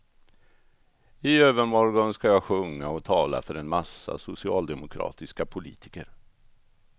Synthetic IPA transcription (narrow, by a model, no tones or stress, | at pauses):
ɪøːvəɾmɔɾɡɔnskajɑːɡɧɵŋːaɔt̪ʰɑːla̰fœɾɛnmasːa̰sʊsɪɑːld̪ɛmʊkʰɾɑ̰ːt̪ɪskapʰʊliːt̪ʰɪ̥kəɾ